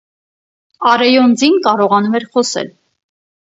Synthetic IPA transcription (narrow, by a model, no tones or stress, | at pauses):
ɑɾɛjɔnd͡zinkɑɾɔʁɑnumɛɾχɔsɛ̰l